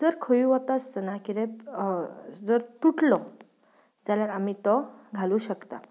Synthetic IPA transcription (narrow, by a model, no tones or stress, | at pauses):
d͡zəɾkʰəjũʋɔt̪ast̪ənakiɾẽ | d͡zəɾt̪uʈlɔ | d͡zaljaɾam̤it̪ɔɡʱaluːɕəkt̪a̰